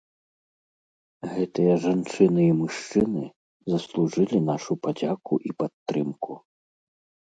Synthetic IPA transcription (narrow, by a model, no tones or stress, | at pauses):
ɣɛt̪ɨjɐʐant͡ʂɨnɨimuʂt͡ʂɨnɨ | zɐslˠuʐɨlʲinaʂupad͡zʲakuʔipat̪ːɾɨmku